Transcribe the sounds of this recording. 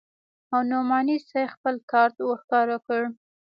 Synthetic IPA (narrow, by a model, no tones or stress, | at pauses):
awnomɑnisajxpəlkɑɾt̪wəxkɑɾakəɽ